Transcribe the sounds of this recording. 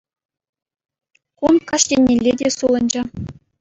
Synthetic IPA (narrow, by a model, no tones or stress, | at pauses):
kunkɑʂtʲenʲːelʲːedʲesulˠɤ̆nʲd͡ʑɘ̆